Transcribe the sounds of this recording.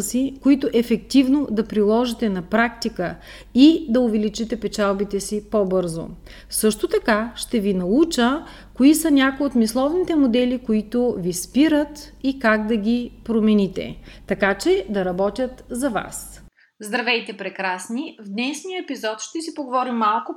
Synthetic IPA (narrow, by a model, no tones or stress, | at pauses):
sikoit̪ʊʔɛfɛkt̪ivnod̪ɐpɾilˠɔʒit̪ɛnɐpɾakt̪ikə | id̪ɐʊvɛlit͡ʃit̪ɛpɛt͡ʃalˠbit̪ɛsipɔbɤɾzo̰ | sɤʃt̪ot̪ɐkaʃt̪ɛvinɐut͡ʃə | koisənʲakoiot̪mislˠɔvnit̪ɛmod̪ɛlikoit̪ovispiɾət̪ikaɡd̪ɐɡʲipɾomɛnit̪ɛ̰t̪ɐkat͡ʃɛd̪ɐɾɐbɔt̪ʲjət̪zɐva̰s | zd̪ɾɐvɛjt̪ɛpɾɛkɾasnivd̪nɛʃnijəɛpizɔt̪ʃt̪ɛsipoɡovɔɾimːalˠkʊ